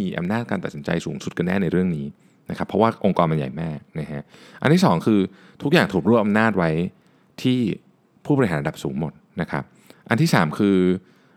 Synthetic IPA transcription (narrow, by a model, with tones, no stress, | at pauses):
iː˧ʔa̰˧mnaː˥˩t̪̚kaː˧nt̪a˨˩si˩˦t͡ɕa̰˧jsuː˩˦ŋsu˨˩t̪̚ka˧nːɛː˥˩na˧jɾɯ˥˩əŋniː˦˥ | na˦˥kʰa˦˥pʰːɾɔ˦˥waː˥˩ʔo˧ŋkɔː˧ma˧nja̰˨˩jmaː˥˩k̚na˦˥ɦa˦˥ʔʔa˧nt̪ʰiː˥˩sɔː˩˦ŋkʰɯː˧ | t̪ʰu˦˥k̚jaː˨˩ŋt̪ʰuː˨˩k̚ɾu˥˩ʔa˧mnaː˥˩t̪̚wa˦˥j | t̪ʰiː˥˩ | pʰuː˥˩bɔ˧ɾi˧ɦaː˩˦nɾa˧da˨˩p̚suː˩˦ŋmo˨˩t̪̚na˦˥kʰa˦˥p̚ | ʔa̰˧nt̪ʰiː˥˩saː˩˦mkʰɯː˧